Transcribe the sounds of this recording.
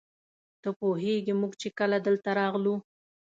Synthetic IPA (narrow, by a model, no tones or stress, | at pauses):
t̪əpoɦeɡimuɡt͡ʃekəlad̪əlt̪aɾɑɣlu